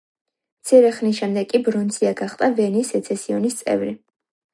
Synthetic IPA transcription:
mt̪sʰiɾɛχnisʃɛmd̪ɛɡkʼibɾɔnt̪sʰiaɡaχt̪ʼavɛnisɛt̪sʰɛsiɔnist̪sʼɛ̰vɾi

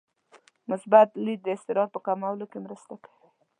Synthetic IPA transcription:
mʊsbat̪lid̪̚d̪əɪst̪ɪɾɑd̪̚pəkamawlokemɾəst̪akḁwi

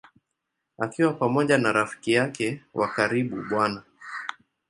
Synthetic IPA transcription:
akiwapamɔʄanaɾafi̥kijakɛwʔa̰kaɾiɓṵɓwana

